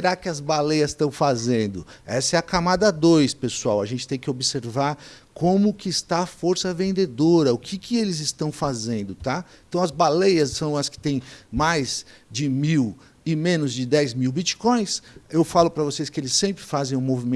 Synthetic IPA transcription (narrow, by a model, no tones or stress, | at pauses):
eɾakɪɐzbalejɐst̪ɐ̃w̃fazẽnd̪ʊɛsɐɛɐkamad̪ɐd̪ojspesuawɐʒẽnt͡ʃɪ̥t̪ẽj̃kɪobɪseɾvaɾkʰõmʊkɪːst̪aɐfoɾsɐvẽnd̪ed̪oɾɐʊkʰɪkɪelɪzɪst̪ɐ̃w̃fazẽnd̪ʊt̪aẽt̪ɐ̃w̃ɐzbalejɐsːɐ̃w̃ɐskɪ̥t̪ẽj̃majzd͡ʒɪmiw | ɪmẽnʊzd͡ʒɪd̪ɛjzmiwbit͡ʃi̥kõj̃sewfalʊpɾɐvoseskɪelɪsːẽmpɾɪfazẽj̃ʊ̃movimẽ